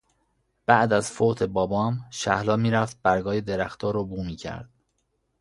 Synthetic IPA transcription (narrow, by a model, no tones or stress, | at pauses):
b̥æʔd̪æz̥foːt̪ʰe̞bɒːbɒːmʃæhlɒːmiːɾæft̪̚b̥æɾɡɒːjed̪eɾæxt̪ʰɒːɾobuːmiːcʰæ̰ɾd̪̥̚